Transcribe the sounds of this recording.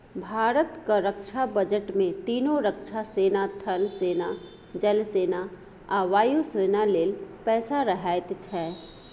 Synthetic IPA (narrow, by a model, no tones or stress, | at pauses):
bʱaːɾət̪kaɾəkʃʰabəd͡ʒəʈmẽt̪iːnoɾəkʃʰaseːnat̪ʰɐlseːna | d͡ʒəlseːna | aːʋaːjuseːnaleːlpɛːsaɾɐɦaːɪt̪t͡ʃʰɛː